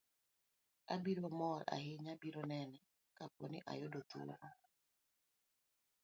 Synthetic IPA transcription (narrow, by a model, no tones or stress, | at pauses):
abiɾomɔɾa̰ɦɪɲabiɾonɛnɛ | kapɔnɪ̰ʔa̰jɔdot̪o̰ɾo